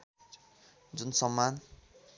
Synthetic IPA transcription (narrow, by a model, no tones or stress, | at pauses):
d͡zunsʌmːan